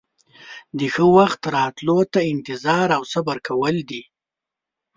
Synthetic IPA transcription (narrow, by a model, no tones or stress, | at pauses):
d̪əxəwaxt̪ɾɑt̪lot̪aɪnt̪ɪzɑɾawsabaɾkʰawəld̪i